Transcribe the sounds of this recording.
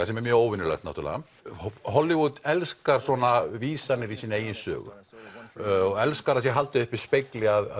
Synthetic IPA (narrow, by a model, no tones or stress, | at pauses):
asɛmɛɾmjœːɣoːwvɪnːʏlœ̰ht̪naht̪uɾla̰ːa | ɦɔlːɪvut̪ɛlskaɾ̥swɔnaviːsanɪɾisiːneːjɪnsœ̰ːɣʏ̰ | ɔɣɛlskaɾas̬jɛɦalt̪ɪʏhpɪɾ̥spejklɪaða